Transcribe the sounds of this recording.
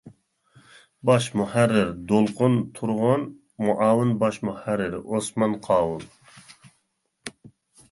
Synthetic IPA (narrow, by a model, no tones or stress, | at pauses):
bɑʃmuhæɾːɪɾd̪olqʊnt̪ʰuɾʁon | muʔaːwɨnbɑʃmuhæɾːɪɾosmɑnqʰɑːwun